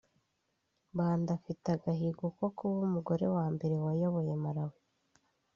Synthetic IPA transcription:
βaːndafitaɡaɦiɡukokuβumuɡo̞ɾe̞waːmbe̞ɾe̞wajo̞βo̞je̞maɾawu

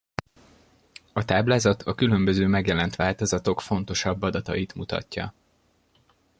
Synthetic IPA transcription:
ɒt̪aːblaːzɒt̪ʰɒkylø̞mbøzøːmɛɡjɛlɛnt̪ʋaːlt̪o̞zɒt̪o̞kfo̞nt̪o̞ʃɒbːɒd̪ɒt̪ɒjit̪mut̪ɒ̰cːɒ̰

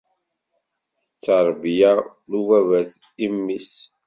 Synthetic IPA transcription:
t͡sːəɾˤbja | nuwævæθ | imːis

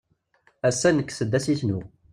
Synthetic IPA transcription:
æsːænəkːsəd̪ːæsiθnu

